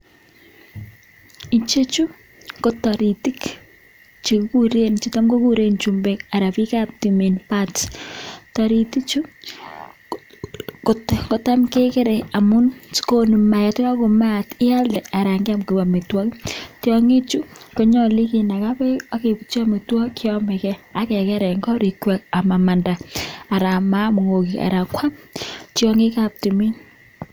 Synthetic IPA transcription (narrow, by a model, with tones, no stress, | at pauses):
i˨t͡ʃe˦t͡ʃu˦ | ko˨ta˨ɾi˨ti˦k | t͡ʃi˨ku˦ku˦ɾe˦nt͡ʃi˦ta˦mko˦ku˦ɾe˦nt͡ʃumbeka˨ɾa˨pi˦ka˦p̚time˨npat | tɔ˨ɾi˨ti˦t͡ʃu˦ | ko˨tko˨ta˦mke˦kɪ˦ɾe˨a˨mu˦nsko˦nu˨ma˨ja˨twa˦ko˨ma˦˨tɪ˦a˦lɛ˨a˨ɾa˨ŋɡɪ˦a˦mke˨wa˨me˨twɔ˦ki˦tjɔ˦ŋe˦t͡ʃu˦ko˦ɲɔ˦li˦ki˨na˨ka˦pɛ˦a˦ke˨pit͡ʃɔ˦me˨twɔ˦kjɔ˦mɛ˨kɛ˦a˦kɛ˨kɛ˦ɾɛ˨ŋɡɔ˦ɾi˨kwɛ˨k̚a˨ma˨ma˨nda˨a˨ɾa˨ma˦mo˨ŋo˨kia̰˨ɾa˨kwa˦ptjɔ˦ŋɪ˦ka˦p̚ti˨mi˦ɲ